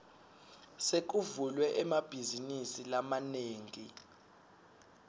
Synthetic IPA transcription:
sek̬uvulwɛʔɛmab̥ʱizinisilamaneːŋi

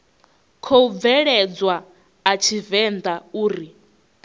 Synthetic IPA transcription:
kʰoub̪vɛɺɛd͡zwaː | t͡ʃʰivɛnd̪auːɾi

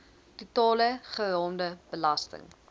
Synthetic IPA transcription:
tutɑːləχəɾɑːmdəb̥əlɐstə̰ŋ

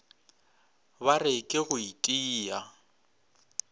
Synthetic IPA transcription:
barɪkʼɪɣʊitʼiːja

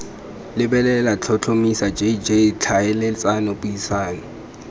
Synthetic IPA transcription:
lɪbɛlɛlat͡ɬʰɔt͡ɬʰomisad͡ʒʱeid͡ʒet͡ɬʰaɛlɪt͡sʼanɔbʊisaːnɔ

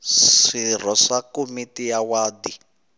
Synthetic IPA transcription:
ir̤ɔʂakomitijawaːd̪i

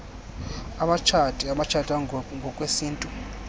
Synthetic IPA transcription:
amat͡ʃʰatʼiamat͡ʃʰatʼaŋɡʱɔkʼwesiːntʼu

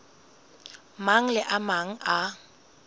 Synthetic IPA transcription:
maŋ̩lɪʔamaŋ̩a

